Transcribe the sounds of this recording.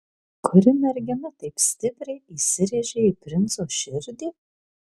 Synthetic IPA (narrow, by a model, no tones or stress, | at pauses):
kʰʊɾʲɪmʲɛɾʲɡʲɛmɛt̪ɐɪpsʲt̪ʲɪpʲɾʲɛɪiːsʲɪɾʲeʒʲɛipʲɾʲɪnt̪soːʃʲɪɾʲd̪ʲiː